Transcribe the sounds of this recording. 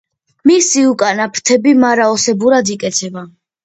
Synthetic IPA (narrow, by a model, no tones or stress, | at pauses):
misiukʼanapʰɾt̪ʰɛbimaɾaɔsɛbuɾad̪ikʼɛt̪sʰɛba